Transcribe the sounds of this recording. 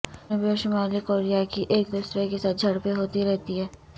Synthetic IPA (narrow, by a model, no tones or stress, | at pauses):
ẽbʱioʃʊmaːlikoːɾijakiʔeːk̚d̪uːsɾekesaːt̪̚d͡ʒʱɐɽpeɦoːt̪iɾɛɦt̪iɦɛː